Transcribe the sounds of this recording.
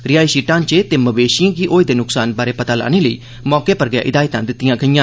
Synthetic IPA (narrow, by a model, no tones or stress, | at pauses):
ɾɪjaːiːʃiːʈãːnt͡ʃeːt̪eːməbeːʃɪãːkiʔoːiːd̪eːnʊksaːnbaːɾeːpət̪aːla̰ːneːləḭː | mɔːkeːpəɾɡja̰ːʔɪd̪aːit̪ãːd̪ɪt̪ːɪjãːkʰəijãː